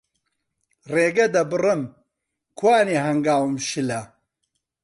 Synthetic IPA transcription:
reːɡɐd̪ɐbɨrɨm | kʰwaːneːɦɐŋɡaːwɨmʃɨlɐ

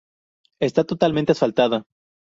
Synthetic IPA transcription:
est̪at̪o̞t̪almẽnt̪easfalt̪aða

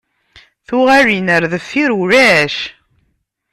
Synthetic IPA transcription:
θuʁarinəɾðəfːiɾuɾæʃ

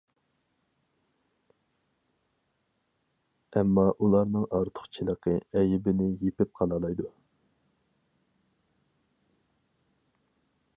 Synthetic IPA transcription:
ɛmːɑʔulˠɑɾnɨŋʔɑɾt̪ʰʊ̥χt͡ʃʰilˠəqʰəɛjɪbɪnɪjepɪp̚qʰɑlˠɑlˠɑjd̪u

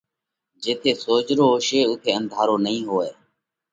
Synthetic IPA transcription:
d͡ʒeːt̪ʰeːsoːd͡ʒɾoːʃeːʊt̪ʰeːə̃nd̪ʱaːɾoːnəĩːɦoːeː

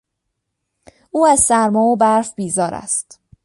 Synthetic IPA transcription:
ʔuːæzsæɾmɒːbæɾfbiːzɒːɾæ̰st̪

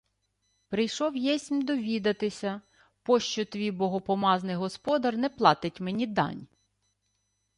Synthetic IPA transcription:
pɾɪjʃɔwjɛsʲmʲd̪ɔʋʲid̪ɐt̪ɪsʲɐ | pɔʃt͡ʃɔt̪ʋʲijbɔɦɔpɔmɑznɪjɦɔspɔd̪ɐrnɛplˠɑt̪ɪtʲmenʲid̪ɑ̰nʲ

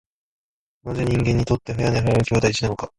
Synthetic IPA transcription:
nazeɲ̟ĩŋɡẽ̞ɲ̟ːit̪o̞t̪ːeɸajaneɦajanɯ̟kʲo̞ːd̪aiɕinano̞ka

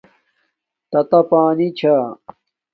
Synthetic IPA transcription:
t̪ɐt̪ɐpaːnit͡ɕʰa

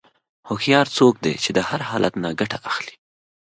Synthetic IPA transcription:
hoxjɑɾt͡sok̚d̪ḛt͡ʃed̪əhaɾhɑlat̪naɡaʈaʔaxli̥

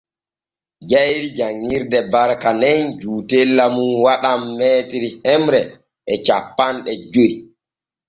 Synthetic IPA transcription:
d͡ʒajɾid͡ʒaŋːiɾdɛbaɾkanɛnd͡ʒuːtelːamunwaɗamːɛːtiɾihɛmɾɛ | ʔɛt͡ʃapːanɗɛd͡ʒoj

